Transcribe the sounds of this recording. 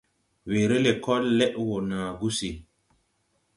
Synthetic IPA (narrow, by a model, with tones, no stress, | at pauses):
we˨ɾe˦le˨kɔ˦lːɛ˦ʔwo˨naː˨ɡu˦si˨